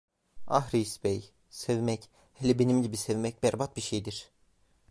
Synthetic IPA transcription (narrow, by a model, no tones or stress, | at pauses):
a̰ɦɾisbɛj | sevmɛc | hɛlʲɛbenimɟibisevmɛc̚bæɾbat̪̚biʃejd̪iɾ̥